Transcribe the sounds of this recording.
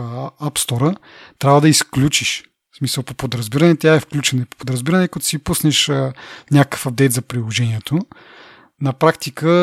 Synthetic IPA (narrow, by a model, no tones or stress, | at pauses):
apst̪ɔɾə | t̪ɾʲavəd̪ɐisklʲut͡ʃiʃ | smisəlˠpopod̪ɾɐzbiɾɐnɛt̪ʲaɛfklʲut͡ʃɛnɐipo̥pod̪ɾɐzbiɾənɛkɐt̪ʊ̥siipusnɛʃənʲakə̥fɐbd̪ɛjt̪zɐpɾilˠoʒɛniɛt̪ʰo | nɐpɾakt̪ikə